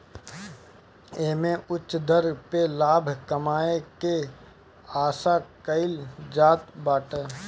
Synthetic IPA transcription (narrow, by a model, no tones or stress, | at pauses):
eːmẽʔʊt͡ʃːd̪əɾpelaːbʱkɐmaːeke | aːsakəɪld͡ʒaːt̪baːʈə